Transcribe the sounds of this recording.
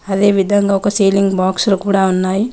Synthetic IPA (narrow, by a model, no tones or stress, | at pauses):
ɐd̪e̞ːʋid̪ʱɐŋɡaːɔkɐseːliŋɡbaːkslukuːɽaːunːaːji